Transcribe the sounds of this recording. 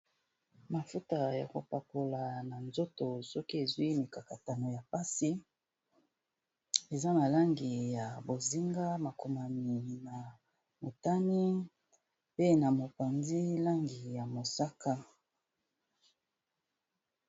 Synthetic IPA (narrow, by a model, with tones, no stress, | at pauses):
ma˨fu˦ta˨ja̰˨ko˨pa˨po˨la˨na˨nzo˦to˨sɔ˦ki˦e˨zwi˦ni˨ka˨ka˨ta˨no˨ja˨pa˦si˦ | e˨za˦na˨la˦ŋɡi˨ja˨bo˨zi˦ŋɡa˦ma˨ko˨ma˨mi˨na˨ | mo˨ta˦ni˦ | pe˦na˨mo˨pa˨nzi˦la˦ŋɡi˨ja˨mo˨sa˦ka˦